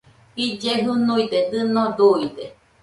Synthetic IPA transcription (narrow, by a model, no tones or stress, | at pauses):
id͡ʒeɦunuid̪ed̪ɨnɔd̪uid̪e